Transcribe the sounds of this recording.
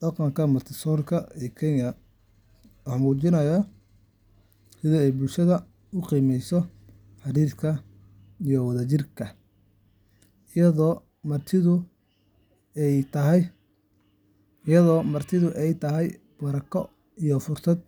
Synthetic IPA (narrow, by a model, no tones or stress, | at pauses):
d̪̥ɑqɑŋkʰɐmɐt̪ʰɪsɔːrkʰɐɛːkʰɛnjɐ | wɑħmuːt͡ʃɪnɐjɐ | sɪðiɛjbʊlʃɐðɐ | ʊqiːmɛjsɔ | ħɑɾiːrkʰɐ | ijɔwɑðɐt͡ʃɪrkʰɐ | jɐðɔː | mɐrt̪ʰɪðʊ | ɛjt̪ʰɐɦɛ | jɐðɔːmɐrt̪ʰɪðʊʔɛjt̪ʰɐɦɛj | b̥ɐɾɐkʰɔ | ijɔfʊrsɐd̪̚